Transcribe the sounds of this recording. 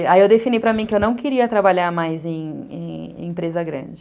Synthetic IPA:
aiewd̪efĩnijpɾɐmĩkɪewnɐ̃w̃keɾiɐt̪ɾabaʎaɾmajzẽj̃ḛ̃ḭ̃mpɾezɐɡɾɐ̰̃d͡ʒɪ

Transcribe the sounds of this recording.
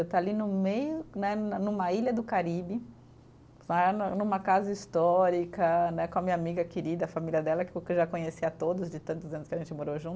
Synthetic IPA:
ewt̪alinʊmejʊnɛnũmɐiʎɐd̪ʊkaɾibɪ | lannũmɐkazɐist̪ɔɾikɐnɛkõɐmiɲamiɡɐkɪɾid̪ɐːfamiliɐd̪ɛlɐkkewʒakõɲesiat̪od̪ʊzd͡ʒɪt̪ɐ̃t̪ʊzɐ̃nʊskɪɐʒẽnt͡ʃɪmoɾoʒũt̪ʊ

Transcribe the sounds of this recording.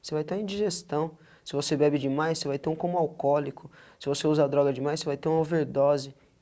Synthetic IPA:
sevajt̪aẽd͡ʒiʒest̪ɐ̃w̃ | sɪvosebɛbɪd͡ʒɪmajssevajt̪ẽũkõmʊawkɔlikʊsɪvoseuzɐad̪ɾɔɡɐd͡ʒɪmajsevajt̪eũm̃ɐ̃veɾd̪ɔzɪ

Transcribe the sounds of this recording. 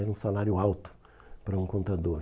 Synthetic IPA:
ɛɾũsalaɾjʊawt̪ʊ̥ | pɾɐũkõnt̪ad̪oɾ

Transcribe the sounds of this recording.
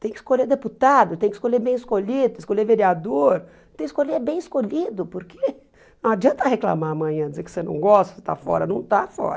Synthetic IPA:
t̪ẽj̃kɪi̥skoleɾd̪eput̪ad̪ʊt̪ẽj̃kɪ̥skoʎeɾbẽj̃ɪskoʎid̪ʊt̪ɪskoleveɾiad̪oɾ | t̪ẽj̃kɪskoʎebẽj̃ɪskoʎid̪ʊpʊɾkʰe | nɐ̃w̃ad͡ʒiɐ̃nt̪ɐhekla̰maɐmɐ̃j̃ɐ̃d͡ʒɪzekɪ̥senɐ̰̃w̃ɡɔst̪ɐ̥se̥t̪a̰fɔ̰ɾɐnɐ̃w̃t̪afɔ̰ɾɐ

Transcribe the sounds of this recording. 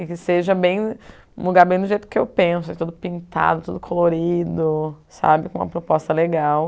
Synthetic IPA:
ɪkɪseʒɐbẽj̃ | muɡaɾbẽj̃d̪ʊʒejt̪ʊ̥kɪḛwpẽsʊit̪ud̪ʊpĩnt̪a̰d̪ʊt̪ud̪ʊkʰoloɾid̪ʊsa̰bɪkõũmɐpɾopɔst̪ɐleɡaw

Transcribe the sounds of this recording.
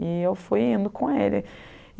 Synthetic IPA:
iewfujĩnd̪ʊkʰõelɐ̰

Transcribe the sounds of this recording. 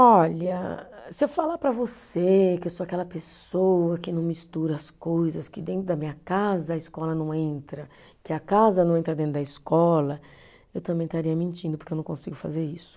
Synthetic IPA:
ɔʎɐsɪewfalapɾɐvosekɪewsoakɛlɐpesowɐkɪnɐ̃w̃mist̪uɾɐɐskojzɐskɪd̪ẽnt̪ɾʊd̪ɐmĩɲɐkazɐːiskɔlɐnɐ̃w̃ẽnt̪ɾɐ | kɪɐkazɐnɐ̃w̃ẽnt̪ɾɐd̪ẽnt̪ɾʊd̪ɐɪskɔlɐ | ewt̪ɐ̃mbẽj̃st̪aɾiɐmẽnt͡ʃĩd̪ʊpʊɾkewnɐ̃w̃kõsiɡʊfa̰zeɾisʊ̥

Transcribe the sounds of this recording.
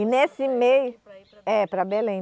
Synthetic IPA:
ɪnesɪmejʊ | ɛpɾɐbelẽj̃

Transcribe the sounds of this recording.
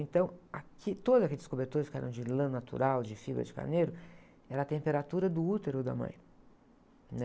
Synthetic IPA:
ẽnt̪ɐ̃w̃akit̪od̪ʊzɐkelɪskobeɾt̪oɾɪskɪɛ̰ɾɐ̃w̃d͡ʒɪlɐ̃nat̪ṵɾawd͡ʒɪfibɾɐ̰d͡ʒɪka̰neɾʊ | ɛɾɐːt̪ẽmpeɾat̪uɾɐd̪ʊut̪eɾʊd̪ɐ̰mɐ̰̃j̃ | nɛ

